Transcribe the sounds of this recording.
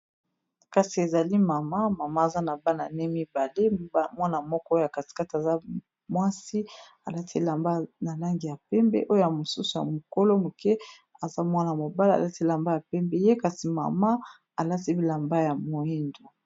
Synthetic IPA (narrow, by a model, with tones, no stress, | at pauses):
ka˨si˨e˨za˨li˦ma˨ma˦ma˨ma˦a˨za˦na˨ba˦na˨nɛ˦mi˦ba˨le˦mwa˦na˨mɔ˦kɔ˦o˦ja˨ka˨ti̥˨ka˦ti˨a˨za˦ | mwa˦si˦ | a˨la˦tʰi˦la˨mba˦na˨la˦ŋɡi˨ja˨pɛ˦mbɛ̰˦ʔo˦jo˦ja˨mo˨su˦su˨ja̰˨mo˨ko˦lo˦mo˨kɛ˦ | a˨za˦mwa˦na˨ja˨mo˨ba˦la˨a̰˨a˦ti˦la˨mba˦ja˨pɛ˦mbɛ˦je˦ka˨si˨ma̰˨ma˦ | a˨la˦ti˦i˦la˨mba˦ja˨mo˨i˦ndo˨